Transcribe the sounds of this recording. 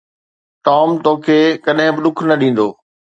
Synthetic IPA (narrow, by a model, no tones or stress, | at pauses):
ʈɔːmt̪oːkʰeːkɐɗɦɪ̃bɪɗʊkʰnɐɗĩːn̆d̪oː